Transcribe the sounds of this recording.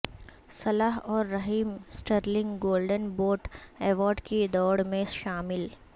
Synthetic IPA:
sɐlaɦɔːɾːɐɦiːmsʈəɾlɪ̃ŋɡɡoːlɖənboːʈɛːʋɔːɾɖkid̪ɔːɽmẽʃaːmɪl

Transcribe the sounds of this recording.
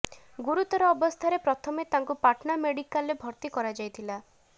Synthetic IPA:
ɡuɾut̪ɔɾɔːbɔst̪ʰaɾepɾɔt̪ʰɔmet̪aŋkupaʈnameɽikalebʱɔɾt̪ikɔɾad͡ʒajt̪ʰila

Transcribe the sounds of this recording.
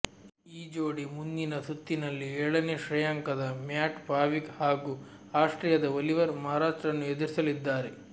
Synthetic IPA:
iːd͡ʒoːɽimund̪inɐsut̪ːinɐlːiɛɭɐneʃɾɐjaːŋkɐd̪ɐmjaːʈpaːʋikhaːɡuː | aːʂʈɾɐjɐd̪ɐʋɐliʋɐɾmaɦːɾaːʂʈɾɐnːued̪uɾisɐlid̪ːaːɾe

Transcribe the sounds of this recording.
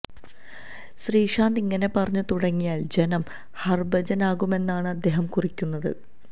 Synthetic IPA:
ɕriːʂaːnd̪iŋːɐne̞pɐrɐɲːut̪uɽɐŋːijaːld͡ʑenɐm | hɐrbɐd͡ʑɐnaːɣume̞nːaːɳɨɐd̪ːeɦɐmkurikʲːunːɐðɨ̰

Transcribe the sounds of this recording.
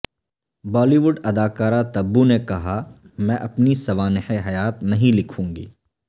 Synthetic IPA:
bɔːliʋʊɖɐd̪aːkaːɾat̪ɐbːunekɐɦa | mɛ̃ːʔɐpnisɐʋaːnɪħeɦɐjaːt̪nɐɦĩlɪkʰũːŋɡḭː

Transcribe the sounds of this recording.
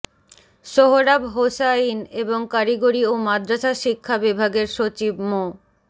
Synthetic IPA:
ʃoɦoɾabɦosaineboŋkaɾiɡoɾiomad̪ɾaʃaʃikʰːabibʱaɡeɾʃot͡ɕibmo

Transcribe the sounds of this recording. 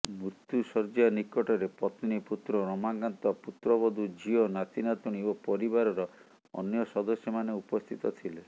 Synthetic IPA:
muɾt̪jusɔɾd͡ʒianikɔʈɔɾepɾɔt̪iniput̪ɾɔɾɔmaɡant̪ɔaput̪ɾɔbɔd̪ʱud͡ʒiɔnat̪inat̪uɽ̃iopɔɾibaɾɔɾɔ | ɔ̰njɔsɔd̪ɔsjɔmaneupɔst̪ʰit̪ɔt̪ʰile

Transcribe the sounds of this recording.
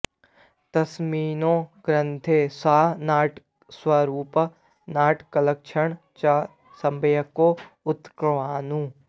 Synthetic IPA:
t̪ɐsmiːnõːɡɾə̃nt̪ʰesaːnaːʈ | swaɾuːp | naːʈʰkɐləkʃʰəɳ | t͡ʃa | sɐmbʱəjəkoʊt̪kɾʋaːnũː

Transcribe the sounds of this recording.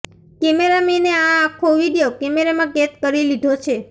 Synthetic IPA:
kemeɾamineaːkʰoʋiɽijokemeɾamãɡet̪̚kəɾilid̪ʱot͡ʃʰe

